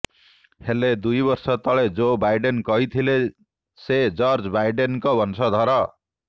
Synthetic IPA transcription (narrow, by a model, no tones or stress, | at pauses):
heled̪ujbʌrsʌt̪ʌɭed͡zobajɖenkʌɦit̪ʰile | sed͡zʌrd͡zbajɖenkobʱʌnsʰʌd̪ʱʌɾʌ